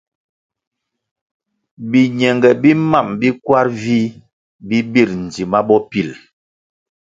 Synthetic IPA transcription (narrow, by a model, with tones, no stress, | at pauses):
bi˨ɲɛ˨ŋɡɛ˨bi˦ma˦˨mbi˦kwa˦ɾvi˦ | bi˦bi˦˨ɾn̩˨d͡zi˨ma˦bɔ˦pi˨l